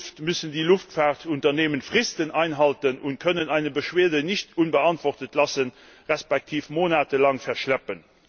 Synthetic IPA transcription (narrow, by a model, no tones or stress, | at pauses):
ftmysəndiːluftfaːʁtʰuntɐneːmənfʁɪstənaɪnɦɑltənʔuntkʰœnənæɪnəbəʃweːɐdənɪɕtunbəɑntvɔʁtətʰlɑsən | ʁɛspæk̚tʰiːfmoːnaːtəlɑŋfɛɐʁʃlæpən